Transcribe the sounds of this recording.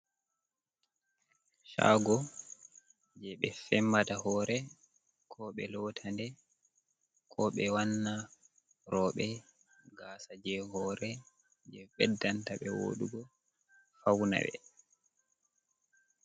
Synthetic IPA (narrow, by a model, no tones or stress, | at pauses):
ʃa̰ɡɔ | d͡ʒɛɓɛfɛmːatahɔːɾɛ | kʰɔɓɛlɔtʰandɛ | kʰɔɓɛwanːa | ɾɔɓɛ | ɡasad͡ʒɛhɔːɾɛ | d͡ʒɛɓɛdːantaɓɛwo̰ɗuɡɔ | fawna̰ɓɛ̰